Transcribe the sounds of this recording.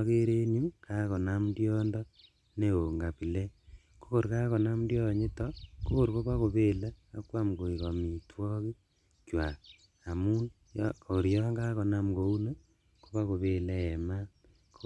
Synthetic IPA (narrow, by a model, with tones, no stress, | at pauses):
ke˦ɾe˦nu˦ka˦kɔ˨na˦mdjɔ˦ndɔ˦ | ne˦o˨ŋɡa˨pi˨le˦ | ko̥˦ko˨ɾka˦kɔ˨na˦m˦djɔ˦˨ɲe˦tɔko˦ko˦ɾko˦βa˦ko˨βe˦laː˦kwa˦mɡo˨i˨kɔ˨mi˨tʰwɔ˦ki˦ | kwa˨ | a˨mu˦n | jo˨ɾi˨jɔ˦ŋɡa˦kɔ˨na˦m˨ko˨u˦ne˦ | ko˦βa˦ko˨βe˦le˦ɛ˨ma˦ | ko